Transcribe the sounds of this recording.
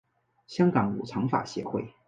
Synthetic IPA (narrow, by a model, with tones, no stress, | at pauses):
ɕjɑ˥ŋkɑ˨˧˥ŋṵ˨˩t͡sʰɑ˧˥ŋfa̰˨˩ɕjɛ̰˧˥xwe˥˩ɪ